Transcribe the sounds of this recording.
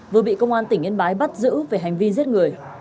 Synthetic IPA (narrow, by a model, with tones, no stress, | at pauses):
vɨ˨˩əɓḭ˧˨kə˧wŋ͡mʔaː˧nt̪ï˧˩ŋʔi˧nɓaː˨˦jɓa˦˥t̚zɨ̰˧˥ve˨˩ɦa˨˩jŋ̟vi˧ze˦˥t̚ŋɨ˨˩əj